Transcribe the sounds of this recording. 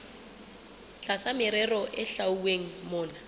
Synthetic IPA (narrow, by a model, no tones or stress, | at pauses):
t͡ɬʼasamɪɾɛrɔʔɪɬauweŋ̩mʊːna